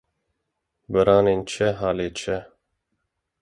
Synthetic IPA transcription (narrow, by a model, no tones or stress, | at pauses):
bɨɾɑːneːnt͡ʃʰɛɦaːleːt͡ʃʰɛ